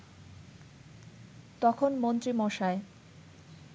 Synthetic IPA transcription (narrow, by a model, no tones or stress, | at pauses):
t̪ɔkʰonmont̪ɾimɔʃae